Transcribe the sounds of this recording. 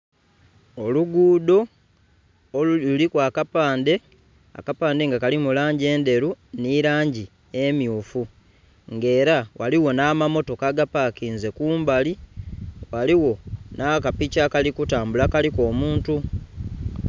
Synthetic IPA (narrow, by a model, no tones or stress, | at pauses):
o̞luɡuːd̪o̞ | lulikwaːkapaːnde̞ | a̰kapaːndeŋɡakalimulaːɲɟe̞ːnde̞ɾuniɾaːɲɟi | e̞mjuːfu | ŋɡe̞ːɾawaliwo̞naːmamo̞to̞kaɡapakiːnze̞kuːmbali | waliwo̞nakapicakalikutaːmbulakaliko̞ːmuːntu